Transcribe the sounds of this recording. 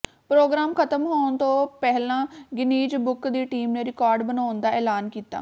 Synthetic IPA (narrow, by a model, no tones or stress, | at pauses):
pɾoːɡɾaːmkʰət̪əmɦoːnt̪õːpɛɦlãːɡɪniːd͡ʒbʊkd̪iːʈiːmnẽːɾɪkaːɾɖbənaːnd̪aːɛːlaːnkiːt̪a̰ː